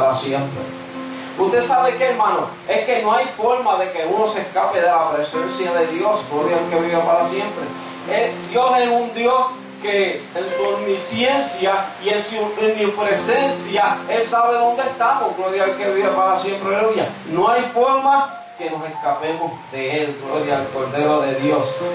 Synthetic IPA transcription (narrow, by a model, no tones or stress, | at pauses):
ɾasjempɾḛ | uht̪esaβekeːɾmãno | e̞hke̞no̞ajfoɾmaðe̞keuno̞sehkape̞ðelapɾe̞sensjaðe̞ðjo̞sɡloɾjalke̞βiβepaɾasje̞mpɾe | eld̪jo̞se̞sund̪jo̞s | keːnsuomisjensjaiensuenupɾe̞se̞nsjae̞lsaβ̞e̞ðo̞nd̪eest̪amosɡloɾjalke̞βiβepaɾasje̞mpɾeɾoja | no̞ajfo̞ɾma | ke̞no̞se̞skape̞mo̞sðe̞elɡloɾjaelko̞ɾðe̞ɾo̞ðe̞ðjos